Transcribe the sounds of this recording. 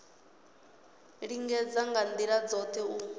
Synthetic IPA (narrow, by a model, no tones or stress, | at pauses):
ɺiŋɡɛd͡zaŋɡand̪iɺad͡zɔt̪ʰɛu